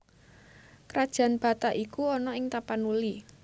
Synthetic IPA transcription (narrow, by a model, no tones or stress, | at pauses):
kɾad̥ʒ̥ä̤nb̥a̤t̪aʔikuɔnɔɪŋt̪apanuli